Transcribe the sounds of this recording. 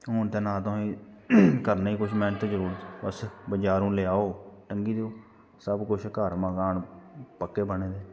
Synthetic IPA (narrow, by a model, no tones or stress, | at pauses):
ɦʊnt̪ẽːnaːt̪oɦĩːkəɾnːiːkʊʃʰmɛ̃ːnt̪ːd͡ʒəɾuːɾbəsbəd͡ʒaːɾũːleaːoːʈəŋɡiːd̪eːoː | səbkʊʃʰkəɾmãːkaːɳpəkːeːbəneːd̪eː